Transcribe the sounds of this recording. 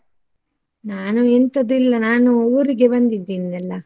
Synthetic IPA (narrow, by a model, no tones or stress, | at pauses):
naːnuent̪ɐd̪ilːɐnaːnuuːɾiɡebɐnd̪id̪ːiːnnɛlːɐ